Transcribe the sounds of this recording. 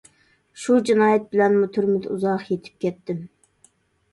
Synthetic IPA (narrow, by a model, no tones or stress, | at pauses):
ʃud͡ʒinɑːjɛt̪̚bɪlɛnmʊt̪ʰyɾmɪd̪uzɑqjet̪ʰɪ̥p̚kʲɛt̪ːɪm